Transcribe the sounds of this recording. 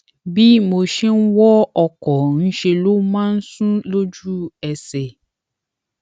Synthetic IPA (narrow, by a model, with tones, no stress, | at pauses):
bi˦mo˧ʃe˦n̩˦wɔ˦ɔ˧˨kɔ˨n̩˦ʃe˧lo˦mãː˦n̩˦sũ˦lo˦d͡ʒu˦ɛ˨sɛ˨